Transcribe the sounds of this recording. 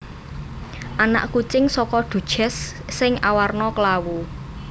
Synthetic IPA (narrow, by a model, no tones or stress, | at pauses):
ʔana̰ʔkut͡ʃɪŋsɔkɔɖ̪̥ṳd̥ʒ̥ɛ̤sːɪŋawarnɔkəlawu